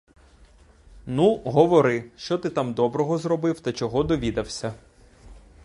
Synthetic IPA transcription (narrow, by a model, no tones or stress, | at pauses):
nuɦɔʋɔɾɪʃt͡ʃɔt̪ɪt̪amd̪ɔbɾɔɦɔzɾɔbɪwt̪ɐt͡ʃɔɦɔd̪ɔʋʲid̪ɐwsʲɐ